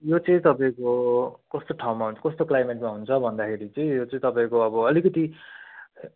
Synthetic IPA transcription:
jot͡sʌĩt̪ʌpaẽkokʌst̪oʈʰawmaɦunt͡sʰʌ̥kʌst̪oklajmeʈmaɦunt͡sʰʌbʱʌnd̪akʰeɾit͡sʌ̃ĩjot͡sʌĩt̪ʌpãẽkoʌbʌʌlikʌt̪i

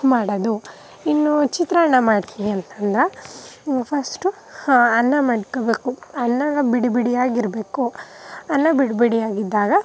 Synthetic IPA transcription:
maːɽɐd̪u | inːut͡ʃit̪ɾɐɐɳːɐmaːɖt̪ʰiniɐnt̪ɐnd̪ɾɐ | pʰɐsʈu | ɐnːɐmɐɽkobe̞ːkuɐnːɐɡɐbiɽibiɽijaːɡiɾbe̞ːkuɐnːɐbiɖbiɽijaːɡid̪ːaːɡɐ

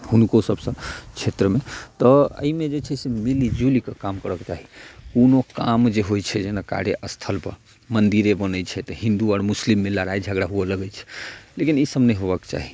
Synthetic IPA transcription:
hunkosəbsə̃t͡ʃʰet̪ɾəmet̪ɔə̰imed͡ʒet͡ʃʰɛsemilid͡ʒulikekamkəɾəket͡ʃaɦikonokamd͡ʒeɦojt͡ʃʰɛd͡ʒenaka̰ɽeʔəst̪ʰəlpə̰ɾ | mənd̪iɾebənəjt͡ʃʰɛt̪ɔɦĩnd̪uɔɾmuslimːeləɾaid͡ʒʱəɡɽaɦueləɡɛt͡ʃʰɛ̥lekinisəbnɛɦobəkt͡ʃa̰ɦi

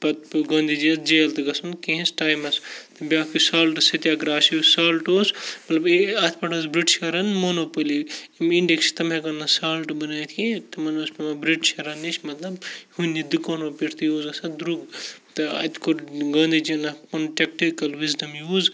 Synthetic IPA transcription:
pɐt̪̚ɡɐ̃ːnd̪id͡ʒiɐsd͡ʒeːlt̪ɨɡɐsunkeɦĩsʈaːjmɐst̪ɐbʲaːkisaːlʈɨsɐt̪ʲjaːɡɾaːsjusaːlʈoːsmɐt̪lɐbeɐt̪ʰpɐʈʰɐzbɾiʈʃɐɾɐnmonoːpɐliimiɳɖekst̪ɐmẽɡɐnːɐsaːlʈbɐnaːjt̪ʰit̪ɐmɐnoːspɐmɐbɾiʈʃɐɾɐnit͡ʃʰmɐt̪lɐbhunːid̪ɨkoːnoːpiɾt̪ijoːzɐsɐd̪ɾuɡt̪ɐɐ̰t̪koɾɡɐːnd̪id͡ʒiɐnɐpɐnʈʲek̚ʈikɐlʋizdɐmjuːz

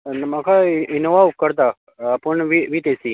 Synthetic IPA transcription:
nmakʰainoʋakəɾt̪̬a | pəɳʋiʋit̪esi

